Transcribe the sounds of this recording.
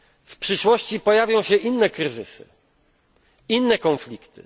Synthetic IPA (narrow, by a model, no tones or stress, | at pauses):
fpʂɘʂwɔɕt͡ɕipɔjavʲjɔ̃w̃ɕɛʔinːɛkɾɘzɘsɘ̰ | inːɛkɔnflʲikt̪ɘ̰